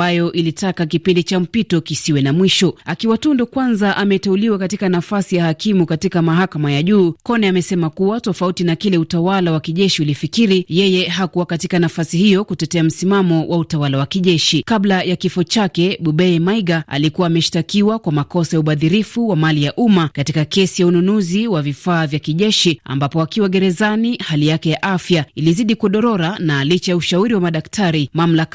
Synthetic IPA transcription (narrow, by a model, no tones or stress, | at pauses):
ajɔʔilitakak̬ipindit͡ʃam̩pitɔkisiwɛnamwiʃɔakiwatundɔkwanzaʔamɛtɛuliwakatikanafasijahakimukatikamaɦakamajaʄuːkɔnɛamɛsɛmakuwatɔfautinakilɛutawalawakiʄɛʃiulifikiɾijɛjɛɦakuwakatikanafasihijɔkutɛtɛam̩simamɔwʔautawalawakiʄɛʃikablajakifɔt͡ʃakɛɓuɓɛmaiɡaa̰likuwaːmɛʃi̥takiwakwamakɔsajauɓaðiɾifuwamalijaʔumakatikakɛsijaununuziwavifaːvjakiʄɛʃia̰mbapɔakiwaɡɛɾɛzanihalijakɛjaʔafjailiziɗikuɗɔɾɔɾanalit͡ʃajauʃauɾiwamaɗaktʰaɾimam̩laka